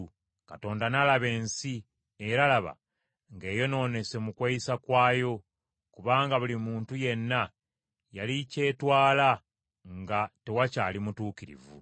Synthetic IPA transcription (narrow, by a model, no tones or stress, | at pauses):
kato̞ːndanalaβe̞ːnsi | e̞ɾalaβa̰ | ŋɡe̞ːjo̞no̞ːne̞semukwaisakwaːjo̞ | kuβaːŋɡaβulimuːntuje̞nːa | jalice̞ːtwaːla | ŋɡate̞wacaːlimutuːkiɾḭvṵ